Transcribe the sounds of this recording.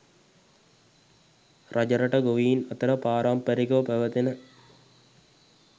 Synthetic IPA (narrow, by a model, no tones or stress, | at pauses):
rɐd͡ʒɐɾɐʈɐɡoʋiːnɐt̪ɐɾɐpaːɾaːmpəɾikɐʋəpɐʋɐt̪enə